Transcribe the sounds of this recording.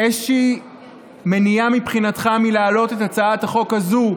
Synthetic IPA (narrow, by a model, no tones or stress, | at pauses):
eʃʃiː | me̞niamipχinat̪χamilaːlo̞tet̪at͡saataχo̞khazu